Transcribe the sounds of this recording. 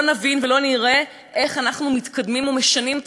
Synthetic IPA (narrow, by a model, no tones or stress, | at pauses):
navinvelo̞niʁe̞ | ʔe̞χanaχnumit̪kʰad̪mimome̞ʃanimet̪